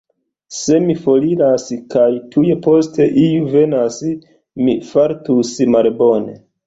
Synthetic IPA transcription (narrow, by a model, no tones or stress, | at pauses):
se̞mifo̞liɾaskajtʰuje̞po̞ste̞ʔijuve̞nas | mifaɾtusmalbo̞ne̞̰